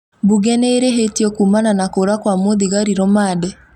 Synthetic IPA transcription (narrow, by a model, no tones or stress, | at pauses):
buɣɛneːɾeɦetiɔkuːmananakoɾakwamoðiɣaɾiɾɔmadɛ